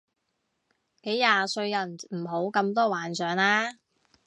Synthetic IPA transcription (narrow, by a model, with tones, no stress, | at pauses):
ke˨˥jjaː˨sɵ˧ɥjɐ˨˩nm̩˨˩ɦo˨˥wkɐ˧mt̪̬ɔː˥waː˨˩nsœː˨ŋlaː˥